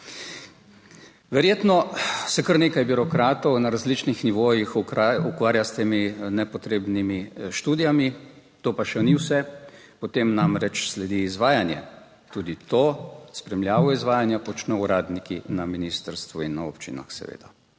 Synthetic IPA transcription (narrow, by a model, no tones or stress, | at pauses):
ʋɛɾjeːt̪nɔsɛkəɾneːkajbiɾɔkɾaːt̪ɔwnaɾazlit͡ʃnixniʋoːjixukʋaːɾjast̪eːminɛpɔt̪ɾeːbnimiʃt̪uːd̪ijami | t̪oːpaʃɛniwsɛ | pɔt̪eːmnamɾɛt͡ʃslɛd̪iːzʋaːjanjɛ̰ | t̪uːd̪it̪ospɾɛmljaːʋɔizʋaːjanjapɔt͡ʃnɛuɾaːd̪nikinaminiːst̪əɾst̪ʋuinːao̰pt͡ʃḭna̰xsɛ̰ʋḛːd̪̥a